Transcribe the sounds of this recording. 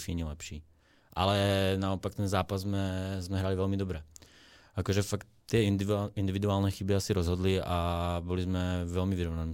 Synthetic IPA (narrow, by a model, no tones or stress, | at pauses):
fiɲɛlɛpʃiː | ʔa̰lɛnaopak̚t̪ɛnzaːpazzmɛzmɛɦɾaːlivɛlmid̪obɾɛ | ʔakoʒɛfakt̪t̪ːɪjɛd̪ind̪ivid̪uaːlnɛːxibiasiɾɔzɦɔd̪liabɔlizmɛvɛlmiviɾɔvnaniː